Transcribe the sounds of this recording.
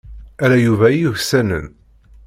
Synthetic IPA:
æɾæjuvæjuçsænə̰n

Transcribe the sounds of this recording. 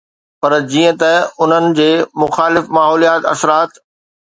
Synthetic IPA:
pɐɾd͡ʑiːə̃t̪ɐʊn̤ənɪ̆d͡ʑeːmʊxaːlɪfmaːɦɔːlijaːt̪ɐ̰sɾaːt̪

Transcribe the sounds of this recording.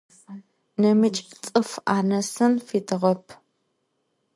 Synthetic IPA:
nɐmɨt͡ʃʼt͡sʼɨfaːnɐsɨnfiːdɨʁɐpʰ

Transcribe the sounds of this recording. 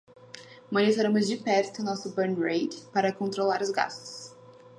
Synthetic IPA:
mõnit̪oɾɐ̃mʊzd͡ʒɪpɛɾt̪ʊʊnɔsʊbeɾnɾejd̪paɾɐkõnt̪ɾolaɾʊzɡa̰st̪ʊ̥s

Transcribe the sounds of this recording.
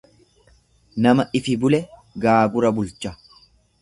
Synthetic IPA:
nɐmɐʔɪfɪbʊlɛ | ɡaːɡʊɾɐbʊlt͡ʃːɐ

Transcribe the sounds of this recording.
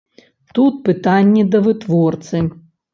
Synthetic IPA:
t̪ut̪̚pɨt̪anʲːɛd̪ɐvɨt̪vɔrt̪sɨ

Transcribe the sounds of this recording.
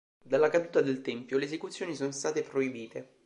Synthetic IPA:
d̪alːakad̪uːt̪ad̪elt̪ɛmpjoleːzekut̪sːjoːnisoːnost̪aːt̪epɾoibiːt̪e

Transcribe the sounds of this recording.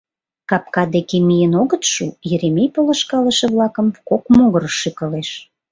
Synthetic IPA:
kɑp̚kɑd̪ekemijənoɣət̪ʃujeɾemʲejpolə̆ʃkɑlə̆ʃĕβlɑkəmkokmoɣəɾəʃːykəleʃ

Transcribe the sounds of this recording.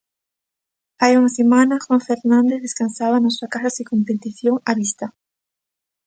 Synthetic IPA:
ajunasemanaxwaɱfeɾnãnd̪eððeskansaβanosakasasikompet̪iθjoŋaβist̪a

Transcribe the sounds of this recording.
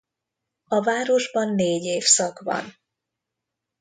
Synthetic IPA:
ɒvaːɾo̞ʒbɒnːeːɟeːfsɒkvɒ̰n

